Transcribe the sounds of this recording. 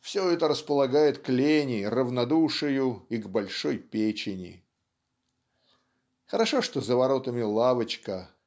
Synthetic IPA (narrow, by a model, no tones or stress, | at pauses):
fsʲoɛt̪əɾəspəlˠɐɡajɪt̪klʲenʲɪrəvnɐd̪uʂɨjʊiɡbɐlʲʂojpʲet͡ɕɪnʲɪ̰ | xəɾɐʂoʂt̪ozəvɐɾo̞t̪əmʲɪlˠavət͡ɕkə